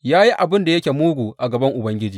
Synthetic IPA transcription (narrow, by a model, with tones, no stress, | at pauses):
jaː˦ji˦ʔa˨bɪ˦nda˨jɐ˦kʲe˨muː˦ɡʷuː˨ʔa˨ɡɐ˨bɐ˦ŋʔʊ˨bɐ˦ŋɡʲɪ˦d͡ʒiː˦